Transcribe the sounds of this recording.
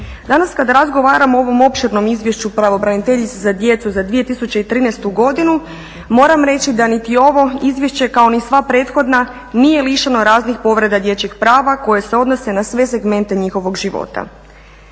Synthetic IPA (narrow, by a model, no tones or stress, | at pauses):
d̪anaskad̪aɾazɡo̞ʋaːɾamoo̞ʋo̞mo̞pʃiɾno̞mizʋje̞ʃt͡ɕupɾaʋo̞bɾanit̪e̞ʎit̪sezad̪je̞t̪suzad̪ʋije̞t̪isut͡ɕeit̪ɾiːnɛst̪uɡo̞d̪inu | mo̞ːɾamɾe̞t͡ɕid̪anit̪io̞ʋo̞izʋje̞ʃt͡ɕe̞kaonisʋapɾe̞ːt̪xo̞d̪na | nije̞liʃano̞ɾaːznixpo̞ʋɾe̞d̪ad̪je̞t͡ɕixpɾaːʋako̞je̞seo̞d̪no̞se̞nasʋe̞se̞ɡme̞nt̪e̞ɲixo̞ʋo̞ɡʒiʋo̞̰t̪a̰